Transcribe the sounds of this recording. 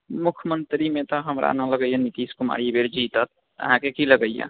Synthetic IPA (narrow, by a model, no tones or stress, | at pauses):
mukʰəmənt̪ɾimẽt̪ɔɦəmɾa̰nə̃ləɡəjanit̪iskuma̰ɽibeɾd͡ʒit̪ət̪̚ | ə̰ɦãkekiləɡəjjã̰